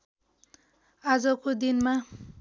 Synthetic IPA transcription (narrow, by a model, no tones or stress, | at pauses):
ad͡zʌkod̪inma